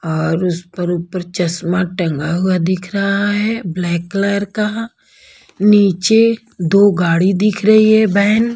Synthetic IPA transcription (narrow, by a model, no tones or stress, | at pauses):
ɔːɾʊspəɾuːpəɾt͡ʃɐsmaʈə̃ŋɡaɦʊad̪ɪkʰɾɐɦaɦɛblɛːkːlɛːɾka | niːt͡ʃe | d̪oːɡaːɽid̪ɪkʰɾɐɦiɦɛbɛːn